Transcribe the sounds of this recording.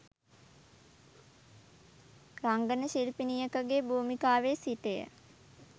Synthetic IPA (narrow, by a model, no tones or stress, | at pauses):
raŋɡənəʃilpinijəkəɡeːbuːmikaːʋeːsiʈejə̰